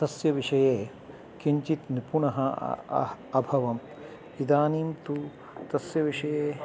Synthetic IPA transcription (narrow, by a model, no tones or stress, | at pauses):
t̪ɐsjɐʋiʂɐjeː | kiɲt͡ʃit̪nipuɳɐɦɐ̰ | ɐbʱɐʋɐm | id̪aːniːmt̪u | t̪ɐsjɐʋiʂɐjeː